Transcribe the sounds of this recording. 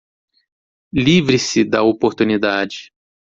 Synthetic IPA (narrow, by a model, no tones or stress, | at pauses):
livɾisɪd̪ɐopoɾt̪unid̪ad͡ʒɪ